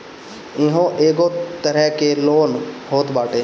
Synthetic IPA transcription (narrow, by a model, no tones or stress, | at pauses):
ɪ̃ɦõːʔeːɡoːt̪əɾɛːkeːloːnhoːt̪baːʈeː